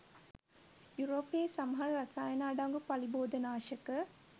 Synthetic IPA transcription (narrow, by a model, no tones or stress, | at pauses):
juɾoːpeːsɐmɐɦɐɾɾɐsaːjɐnaːɖaŋɡupɐliboːd̪ɐnaːʃɐkə